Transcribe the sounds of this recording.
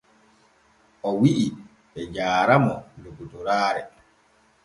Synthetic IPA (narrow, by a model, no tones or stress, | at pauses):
ʔɔwiʔi | ɓɛd͡ʒaːɾamɔdoɡuduɾaːɾɛ